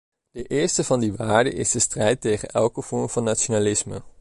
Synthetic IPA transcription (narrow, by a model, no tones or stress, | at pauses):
d̥əʔɪːɹstəvɑndiʋaːɹdə̰ʔɪsdəstrɛjtejχənɛlˠkəv̥ɔɹmv̥ɑnːat͡ʃonalɪsmə̰